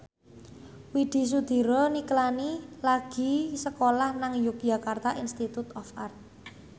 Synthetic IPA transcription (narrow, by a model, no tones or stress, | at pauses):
wiɖ̪̥i̤s̬ud̪̥i̤ɾɔniklanilaɡ̥i̤səkolahnaŋjuk̚d̥ʒ̥a̤kart̪aʔinst̪it̪ut̪ɔfart̪̚